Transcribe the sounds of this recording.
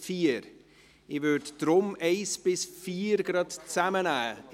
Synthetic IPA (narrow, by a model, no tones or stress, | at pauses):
fiːɾ | ɪvødd̥ɾʊmeɪsb̥ɪsfiːɾɡ̥ɾɑtt͡samənæː